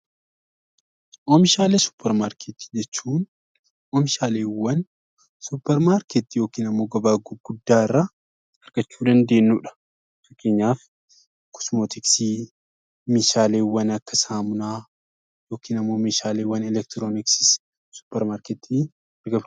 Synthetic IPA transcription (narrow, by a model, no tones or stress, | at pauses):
ʔoːmɪʃaːleːsʊ̥pʰːɛɾmaɾkʰet̪ːi̥d͡ʒɛt͡ʃːuːn | oːmɪʃaːleːwːɐn | sʊpːɛɾmaːɾket̪ːijoːkiːnɐmːo̞ːɡɐbaːɡʊɡʊd̪ːaːɪrːɐ | ɐɾɡ̥ɐt͡ʃːuːd̪ɐnd̪e̞ːnːuːᶑɐ̥ | fɐkʰːeːɲːaːf | kʊ̥smoːt̪ɪksiː | meːʃaːleːwːɐnɐkːɐsaːmʊnaː | jo̞ːkiːnɐmːo̞ːmeːʃaːleːwːɐnɛlɛkt̪ɪɾoːnɪksɪ̥s | sʊ̥pːɛɾmaːɾket̪ʰːiː | ɡɐb